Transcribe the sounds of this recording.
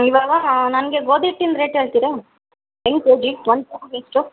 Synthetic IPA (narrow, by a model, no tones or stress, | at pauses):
iʋaːɡɐɦanɐnɡeɡoːd̪iʈːind̪ɾeːʈɦeːɭt̪iɾe | eŋked͡ʒiʈʋɐnd̪pɐkɡesʈu